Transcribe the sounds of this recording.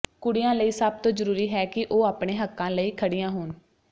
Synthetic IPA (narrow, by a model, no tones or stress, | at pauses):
kʊɽɪjãːləiːsəb̚t̪õːzəɾuːɾiːɦɛːkɪʔoːaːpɳeːɦəkːãːləiːkʰəɽɪjãːɦʊːn